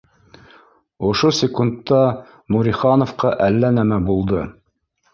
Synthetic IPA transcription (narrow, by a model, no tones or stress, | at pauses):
ŏʃosʲɪkunt̪ːɑ | muɾʲiχɑnofqɑʔælːænæmæbulˠd̪ɤ